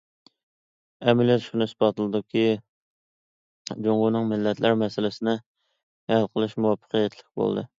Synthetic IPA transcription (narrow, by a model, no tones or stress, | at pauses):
ɛmɪljɛt̪ʃunɨsbɑt̪ɨlˠɨd̪ukʲi | d͡ʒoŋɡunɨŋmɪlːɛt̪læɾmɛsɪlɪsɪnɪ | hɛlqʰəlˠɨʃmuwɑpʰːə̥qʰəjɛt̪ʰlɪk̚ʲbo̰l̰ˠd̪ɨ